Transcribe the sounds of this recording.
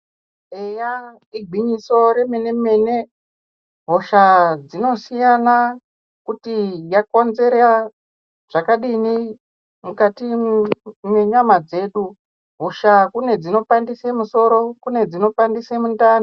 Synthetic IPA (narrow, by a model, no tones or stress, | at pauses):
eja | iɡʱwiɲiso̞ɾe̞me̞ne̞me̞ne̞ | ɦo̞ʃad͡zino̞sijana | kutijako̞nze̞ɾa | ʐ̥akaɗini | mukati | mweɲamad͡ze̞ɗu | ɦoʃakune̞d͡zino̞pandisemuso̞ɾo̞kune̞d͡zino̞pandisemundaːno